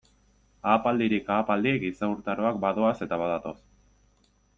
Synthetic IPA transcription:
aːpald̪iɾikaːpald̪iɣisauɾt̪aɾo̞akbaðo̞ase̞t̪aβaðat̪o̞s

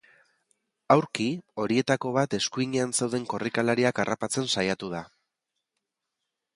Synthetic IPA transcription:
awɾkio̞ɾie̞t̪ako̞β̞at̪e̞skuiɲeanse̞wð̞e̞ŋko̞rikalaɾiakarapat͡se̞nsajat̪uð̞a

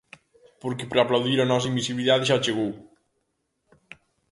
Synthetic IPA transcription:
poɾkepɾaplawðiɾanɔs̬ɐimbisiβliðaðʒat͡ʃeɣow

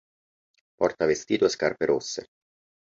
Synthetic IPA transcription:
pɔrt̪avest̪iːt̪oeskarpeɾosːḛ

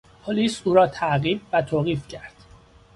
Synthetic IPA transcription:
pʰoliːsuːɾɒːt̪ʰæʔɣiːbvæt̪ʰoːɣiːfcʰæɾd̪̥

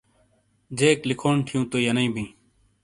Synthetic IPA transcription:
d͡ʑeːklɪkʰoːɳʈʰijũːt̪oːjɐnəĩːbʱĩː

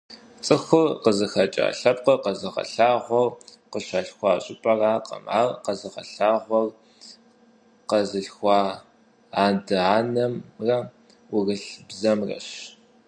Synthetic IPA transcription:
t͡sʼɨxʷʊrqəzɨxɐt͡ʃʼa̰ːɬɐp̚qəqɐzɨʁɐ̰ɬaːʁʷɔr | qəʃaɬxʷɑːɕʼɪpʼɐraːqɐ̰ma̰ːrqɐzɨʁɐ̰ɬaːʁʷɔr | qɐzɨɬxʷɑː | aːdɨaːnɐmrɐ | wʊrɨɬbzɐmrɐ̰ɕ

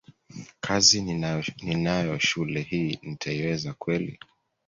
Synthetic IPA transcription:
kʰazininajɔʃulɛhiːnitʰaiwɛzakwɛlḭ

